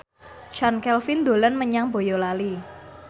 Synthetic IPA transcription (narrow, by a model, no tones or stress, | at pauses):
ʃankɛlfɪnd̪olanməɲaŋbojɔlali